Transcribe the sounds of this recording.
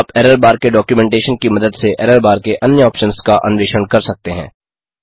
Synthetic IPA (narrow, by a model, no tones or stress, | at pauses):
pɛːɾəɾbaːɾkeɖɔːkjumɛ̃ːɳʈeːʃənkimɐd̪əd̪seʔɛːɾəɾbaːɾkeʔɐnjəɔːpʃənskaʔɐ̰nʊʋeːʃəɳkɐɾsɐk̚t̪eɦɛ̰̃ː